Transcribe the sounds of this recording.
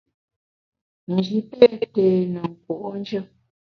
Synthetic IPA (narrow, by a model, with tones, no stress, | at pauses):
n̩˨d͡ʒi˨pe˦te˨nə˨ŋ̩˨kwo˨ʔo˦n˦d͡ʒə˦